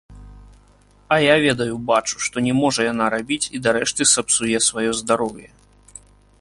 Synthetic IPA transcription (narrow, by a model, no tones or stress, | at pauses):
ɐjavʲɛd̪ɐjubat͡ʂu̥ʂt̪ɔnʲɛmɔʐɐjanaɾabʲit͡sʲid̪aɾɛʂt̪ɨsɐpsujɛsvajɔzd̪aɾɔwjɛ